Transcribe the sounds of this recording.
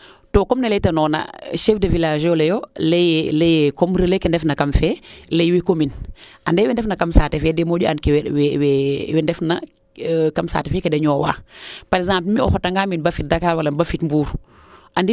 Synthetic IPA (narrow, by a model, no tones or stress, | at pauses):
toːkomnɐlejtɐnɔːna̰ʃɛfdɐvilaːʒjolejolelejkomɾəlekendɛfnɐkɐmfɛːlejwikominʔandɛːwɛndɛfnɐkɐmsaːtɛfɛdemoːɟiankwwɛwɛndɛfnɐ | kɐmsa̰ːtɛfɛːkedɛɲɔːwa̰ːpaɾɛkzãːmplmiɔ̰xɔtɐŋɡaːminbɐfit̚dakaːlwɐlɐbɐfitmbuːɾ | ʔandi